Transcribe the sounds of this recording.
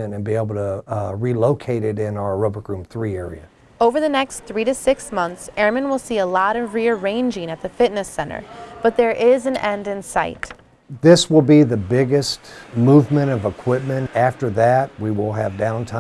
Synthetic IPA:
ɨ̃nɨ̃nbieɪbl̩ˠtʰəɹiloʊkʰeɪɾɨɾɪ̃naʊə˞ɹoʊbə˞ɡɹʉ̃mθɹiɛɹḭɨ | oʊvə˞ðɨnɛksθɹiɾɨsɪksmʌ̃nθsɛɹmɨ̃nwəlˠsiəlɔɾʌvɹiə˞ẽɪ̃nd͡ʒɪ̃ŋɨt̪̚ðɨfɪtⁿnɨsɛ̃ɾ̃ə̰˞b̥ʌt̪̚ðə˞ʔɪzɨ̃nɛ̃ndɨ̃nsaɪt | ðɪswəlˠbiðɨbɪɡɨstmuvmɨ̃ɾ̃ʌvəkʰw̥ɪp̚mɨ̃næftə˞ðɨt̚wiwɪlˠɨvdãʊ̃ntʰã

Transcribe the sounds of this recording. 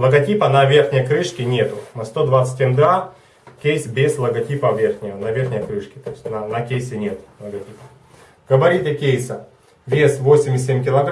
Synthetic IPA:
lˠəɡɐtʲipənɐvʲe̞rxnʲɪjəkɾɨʂkʲɪnʲet̪ʊmɐst̪o̞d̪vat̪sɨ̥tʲɪmd̪ɾa | kʲejsʲbʲezlˠəɡɐtʲipəvʲerxnʲɪənɐvʲerxnʲɪjəkɾɨʂkʲɪ̥t̪oɪsʲtʲnɐnɐkʲejsʲɪnʲe̞t̪lˠəɡɐtʲipə | ɡ̥əbɐɾʲit̪ʲɪkʲejsə | vʲesvo̞sʲɪmʲɪs̬ʲːemʲkʲɪlˠɐɡ

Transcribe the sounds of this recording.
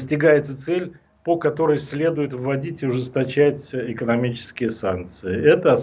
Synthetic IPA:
sʲtʲɪɡajɪt̪sət̪sɛlʲ | pokɐt̪o̞ɾəjsʲlʲe̞d̪ʊjɪt̪vːɐdʲitʲɪʊʐɨst̪ɐt͡ɕætʲɪkənɐmʲit͡ɕɪ̥skʲɪjəsa̰nk̚t̪sɨɪɛt̪əɐ

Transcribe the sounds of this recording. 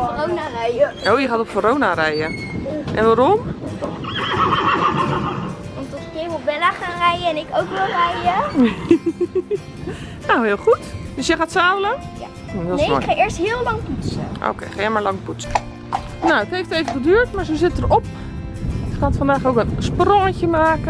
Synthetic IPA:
ronarɛjəowjəχaːtɔpkoroːnarɛjəʔɛ̰nʋaɾɔm | ɔmtɔtkɪʋɔbɛnaχaːnrɛjəɛnɪkowkʋɛlˠrɛjə | nowhɪːlˠxutd̥øsjəxaːtsaːwlə | j | ɔɔ̰xaɪəɹsthɪəlˠlɑŋpusəʔo̰wkejxaːjəmaɹlɑŋputsə̥ | noəthejfteːvəχədyːtmaɹsoːsɪtərɔp | jəkanətfɔndaːxowkənsprɔŋncəmaːkə

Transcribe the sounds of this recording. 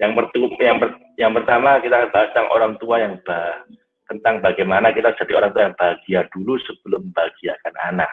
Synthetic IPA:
jaŋpərt̪ujaŋpər | jaŋpərt̪amakit̪akb̥aɦast̪aŋʔo̰ɾaŋt̪uajaŋb̥aɦ | t̪ənt̪aŋbaɡajmanakit̪ḁd͡ʒ̥a̤dioɾaŋt̪uajaŋb̥aɡ̥iad̥ulusəb̥əlʊmbaɡ̥iakana̰na̰k

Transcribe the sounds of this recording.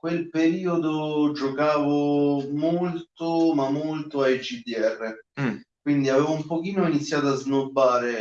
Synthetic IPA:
kwelpeɾiːod̪od͡ʒokaːvomolt̪omamːolt̪oajd͡ʒid̪iɛrːekwind̪iavɛːvoumpok̟iːnoinit̪sːjaːt̪̬oaznobːaːɾe

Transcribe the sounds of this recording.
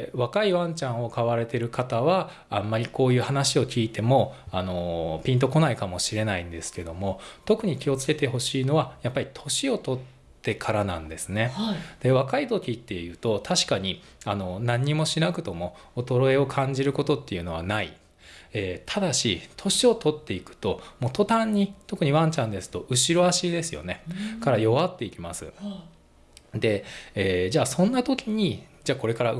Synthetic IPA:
βakaiβãɲt͡ɕãɰ̃o̞kaβaɾe̞t̪e̞ɾɯ̟kat̪aβa | ãmːaɾʲiko̞ːjɯ̟ːhanaɕio̞kʲiːt̪e̞mo̞ano̞pʲĩnt̪o̞ko̞naikamo̞ɕiɾe̞naĩnd̪e̞sɨ̥ke̞d̪o̞mo̞t̪o̞kɯ̟ɲ̟ikʲio̞t͡sɨ̥ke̞t̪e̞ɦo̞ɕiːno̞βajapːaɾʲit̪ʰo̞ɕio̞t̪o̞t̪ː | e̞kʰaɾanã̰nd̪e̞sɨne̞had̪̥e̞βakait̪o̞kʲit̪ːe̞jɯ̟ːt̪o̞t̪ʰaɕi̥kaɲ̟i | ano̞nãɲ̟ːimo̞ɕinakɯ̟t̪o̞mo̞ot̪o̞ɾo̞e̞o̞kʰãɲ̟d͡ʑiɾɯ̟ko̞t̪o̞t̪ːe̞jɯ̟no̞βa̰naḭ | eːt̪ʰad̪aɕit̪ʰo̞ɕio̞t̪o̞t̪ːe̞ikɯ̟̥t̪o̞mo̞ːt̪o̞t̪ãɲ̟ːit̪o̞kɯ̟ɲ̟iβãɲt͡ɕãnd̪e̞sɨ̥t̪o̞ʔɯ̟ɕiɾo̞aɕid̪e̞sɨjo̞̰ne̞kaɾajo̞βat̪ːe̞ikʲimasɨ̰ | d̪e̞eːd͡ʑaːsõ̞nːat̪o̞kʲiɲ̟id͡ʑaːko̞ɾe̞kaɾa

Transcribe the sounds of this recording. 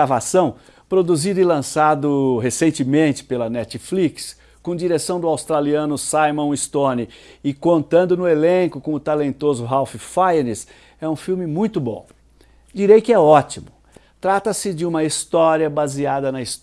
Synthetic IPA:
avasɐ̃w̃ | pɾod̪uzid̪ʊɪlɐ̃sad̪ʊɦesẽnt͡ʃɪmẽnt͡ʃɪ̥pelɐnɛt͡ʃɪfliks | kõd͡ʒiɾesɐ̃w̃d̪ʊawst̪ɾaliɐ̃nʊsajmɐ̃w̃ist̪õnɪɪkõnt̪ɐ̃nd̪ʊnʊelẽŋkʊkõʊt̪alẽnt̪ozʊɦawfɪfajɐnɪs | ɛũfiwmɪmũj̃t̪ʊbõ̰ | d͡ʒiɾejkɪɛɔt͡ʃimʊ | t̪ɾat̪ɐsɪd͡ʒɪũmɐist̪ɔɾiɐbaziad̪ɐnɐis

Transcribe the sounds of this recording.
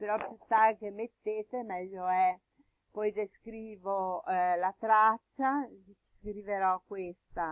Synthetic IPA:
peɾɔpjut̪ːarkemet̪ːeːt̪emɛʎːoɛ | pɔjd̪eskɾiːvolat̪ɾat͡ʃːaskɾiveɾɔkwest̪a

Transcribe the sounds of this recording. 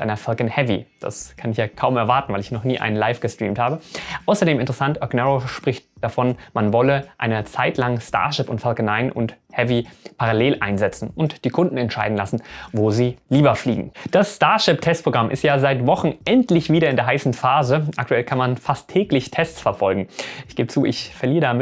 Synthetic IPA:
ɪʔa̰ɪnɐfalkənhɛvḭd̥a̰skʰanɪçjaːkʰaʊmɛɐvaɐtn̩vaɪlɪçnɔχniːʔa̰ɪnənla̰ɪfɡ̥əstʁ̥ḭːmthaːbəʔaʊsɐdeːmɪntəʁəsantʔœɡnɛʁoʃpʁ̥ɪçt̚d̥afɔnmanvɔləʔa̰ɪnət͡saɪtlaŋsta̰ɐʃɪpʊntfalknːaɪnʔʊ̰nthɛvipʰaʁaleːlʔaɪnzɛt͡sn̩ʊntd̥iːkʰʊndn̩ɛntʃaɪdn̩lasn̩voːziːliːbɐflḭːɡŋ̩d̥asstaɐʃɪp̚tʰɛst̚pʁ̥oɡʁamʔɪ̰stjaːzaɪtv̥ɔχn̩ʔɛntlɪçv̥iːdɐɪndeːɐɦaɪsn̩faːzəʔa̰k̚tʰuɛlkʰanmanfastʰːɛːklɪçtʰɛstt͡sfɛɐfɔlɡŋ̩ʔɪçɡ̥eːbət͡suːɪ̰çfɛɐliːədamɪ

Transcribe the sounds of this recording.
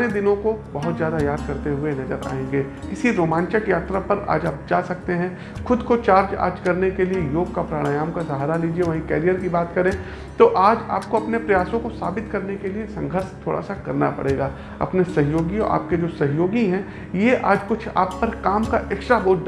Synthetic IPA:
ed̪ɪnõkobɐɦʊt̪zjaːd̪ajaːd̪̚kɐɾt̪eɦʊenɐzəɾa̰ːẽːŋɡeːkɪsiɾoːmãːnt͡ʃəkjaːt̪ɾapɐɾa̰ːd͡ʒaːp̚d͡ʒaːsɐk̚t̪eɦɛ̃ | xʊd̪kot͡ʃaːɾd͡ʒa̰ːɾd͡ʒkɐɾnekeliejoːɡkapɾaːɽ̃ajaːmkazaɦɾaliːd͡ʒieʋɐɦĩkɛːɾijəɾkibaːt̪kɐɾẽː | t̪oʔaːd͡ʒa̰ːp̚koɐpnepɾɐjaːsõkosaːbɪt̪kɐɾnekeliesɐ̃ŋɡʱəɾʃt̪ʰoːɽʔa̰sakɐɾna̰pɐ̰ɽeːɡaː | ɐ̰pnesɐɦjoːɡiɔ̰ɾa̰ːp̚ked͡ʒoːsɐɦjoːɡiɦɛ̃ | jeʔaːd͡ʒkʊt͡ʃʰa̰ːpːɐɾkaːmkaʔeːkʃɾaboːʈd

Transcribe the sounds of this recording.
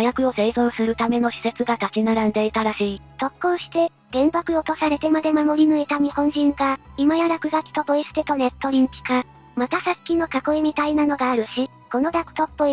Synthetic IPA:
hajakɯ̟o̞se̞ːzõ̞ːɰ̃sɨɾɯ̟t̪ame̞no̞ɕi̥se̞t͡sɨɡat̪at͡ɕʲinaɾãnd̪e̞it̪aɾaɕiːt̪o̞kːo̞ːɕi̥t̪e̞ | d̪̥ẽ̞mbakɯ̟ot̪o̞saɾe̞t̪e̞mad̪e̞mamo̞ɾʲinɯ̟et̪aɲ̟ihõ̞ɲ̟d͡ʑĩŋɡaimajaɾakɯ̟ɡakʲi̥t̪o̞bo̞isɨ̥t̪et̪o̞ne̞t̪ːo̞ɾʲĩŋkʲi̥ka | mat̪asakʲino̞kako̞imʲit̪ainano̞ɡaːɾɯ̟ɕi | ko̞no̞d̪akɯ̟̥t̪o̞pːo

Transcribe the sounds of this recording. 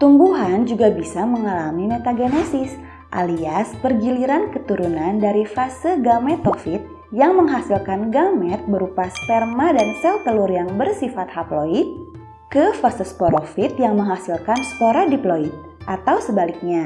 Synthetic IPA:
t̪umbuɦand͡ʒuɡabisaməŋalamimɛt̪aɡenɛsɪs | ʔa̰liaspərɡiliɾankət̪uɾunandaɾifasəɡamɛt̪ɔfit̪̚ | jaŋməŋɦasilkanɡamɛt̪̚bəɾupast̪ɛrmadansɛlt̪əlurjaŋbərsifat̪̚haploit̪̚ | kəfasəspoɾɔfit̪̚jaŋməŋɦasilkanspoɾadiploit̪̚ | ʔat̪awsəbalik̚ɲa

